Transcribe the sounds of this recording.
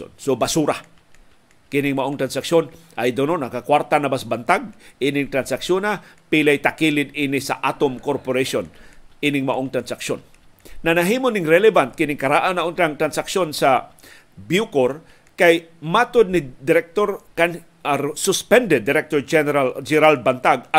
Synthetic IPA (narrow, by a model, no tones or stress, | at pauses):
o̰nsʊbasuɾa | kɪnɪŋmaʔoŋt̪ɾansakʃjon | ʔajd̪ʊnonakakwaɾt̪anabasbant̪aɡ̚ʔiːnɪŋt̪ɾansaksjonapilajt̪akilɪd̪inɪsa̰ʔat̪omkoɾpoɾaʃonʔinɪŋmaʔoŋt̪ɾansakʃonː | anaɦiːmonɪŋɾɛlɛbant̪̚kɪnɪŋkɐɾaʔanaʔont̪aŋt̪ɾansakʃonsa | bukoɾ | kaj | mat̪ʊd̪̚nɪd̪ɪɾɛk̚t̪oɾkan | sʊspɛnd̪ɛd̪ːɪɾɛk̚t̪oɾd͡ʒɛald͡ʒɛɾal̚bant̪aɡ̚a